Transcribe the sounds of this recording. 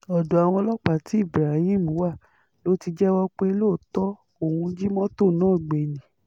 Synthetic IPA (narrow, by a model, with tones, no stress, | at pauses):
ɔ˨do˨a˨w̃ɔ̃˧lɔ˦k͡pa˨ti˨˦i˦˨bɾa˨˦hĩ˦˨mũ˨˦wa˦˨ | lo˨˦ti˧d͡ʒɛ˦wɔ˦k͡pe˦lo˦˨tɔ˦ | o˦˨hũ˧d͡ʒi˦mɔ̃˦to˦˨nãː˦˨ɡ͡be˨nĩ˨˦